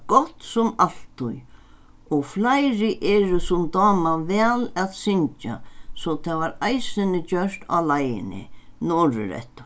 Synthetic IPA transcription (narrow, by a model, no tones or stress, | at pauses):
ɡ̥ɔt̪sʊmal̥t̪ʊ̰j | ɔɣflajɾɪʔɛːɾʊsʊmd̪ɔːmavɛːlaðsɪɲt͡ʃa̰sɔt̪ʰaʋaɾajsɪnɪt͡ɕœɹt̪a̰lajɪ̰nɪ̰nɔɾɪ̰ɾɛ̰t̪ʊ